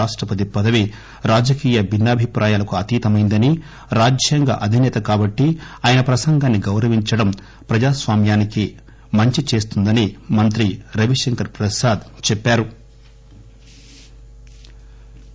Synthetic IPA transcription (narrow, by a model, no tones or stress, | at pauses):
aːʂʈɾɐpɐt̪ipɐd̪ɐʋi | ɾaːd͡ʒɐkiːjɐbinːaːbʱipɾʔaːjaːlɐkuɐt̪iːt̪ɐmɐjnd̪ɐni | ɾaːd͡ʒjɐŋɡɐ̰ʔɐd̪ʱinɛːt̪ɐkaːbɐʈːiaːjɐnɐpɾɐsɐŋɡaːnːiɡɐwɾɐʋiɲt͡ʃɐɽɐm | pɾɐd͡ʒaːsʋaːmjaːniki | mɐɲt͡ʃit͡ʃe̞ːst̪und̪ɐnimɐnt̪ɾiɾɐʋiʂɐŋkɐɾpɾɐsaːd̪t͡ʃɛpːaːɾu